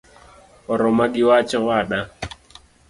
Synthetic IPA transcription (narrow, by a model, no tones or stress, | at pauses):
ɔɾɔmaɡɪwat͡ʃɔwaɗa